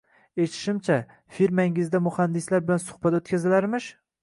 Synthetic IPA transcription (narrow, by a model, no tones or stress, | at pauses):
et̪ʰɪ̥ʃɪmt͡ʃʰa | fiɾmaɪŋɪzd̪amʊhand̪ɪslaɾbɪlansʊ̥hbat̪ot̪kʲazɪlaɾmɪʃ